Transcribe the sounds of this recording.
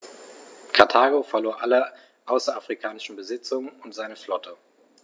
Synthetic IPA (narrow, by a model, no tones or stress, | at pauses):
kʰaɐtʰaːɡofɛɐloːɐʔalɐ | ʔaʊsɐafʁ̥ikʰaːnɪʃn̩bəzɪt͡sʊŋənʊntz̥aɪnəflɔtʰə